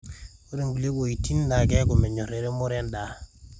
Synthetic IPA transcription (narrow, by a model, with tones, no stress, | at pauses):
o˦ɾe˨ŋɡu˨le˦bo˨ji˨ti˦nda˨ɡe˦ɡo˨me˨ɲo˨ɾe˨ɾe˦mo˦ɾe˦nda˨